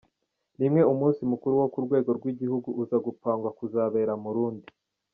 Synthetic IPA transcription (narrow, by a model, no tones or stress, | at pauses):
nimŋe̞umuːnsimukuɾuwo̞kuɾɡwe̞ːɡo̞ɾɡwiɟihuɡuuzaɡupaːŋɡwakuzaβe̞ːɾamuɾuːndi